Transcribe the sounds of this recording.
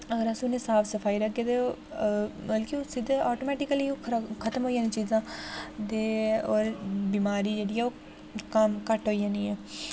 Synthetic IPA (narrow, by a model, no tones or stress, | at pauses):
əɡəɾəsĩʊnẽːsaːpʰsəpʰaːiːɾəkːeːd̪e | bəlkeoːsɪd̪eɔːʈoːmɛːʈɪkəliːoːkʰət̪əmɦoːijãːniːt͡ʃiːzãːd̪eːɔːɾbiːmaːɾiːd͡ʒeːɽiːɛːoː | kəmkəʈɦoːijãːniːɛː